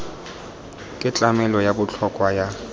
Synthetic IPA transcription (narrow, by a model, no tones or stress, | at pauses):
kʼɪt͡ɬʼamɛlɔjabʊt͡ɬʰɔkʼwaja